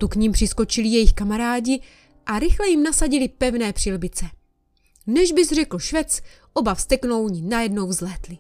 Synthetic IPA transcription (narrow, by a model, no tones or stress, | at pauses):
t̪ukɲimpr̝̥ɪsko̞t͡ʃɪlɪjɛjɪxkamaɾaːɟɪ | ʔaɾɪxlɛjɪmnasaɟɪlɪpɛvnɛːpr̝̥ɪlbɪt͡sɛ | nɛʒbɪzr̝ɛkl̩ʃvɛt͡s | ʔo̞bafst̪ɛkno̞wɲɪnajɛdno̞wzlɛːt̪lɪ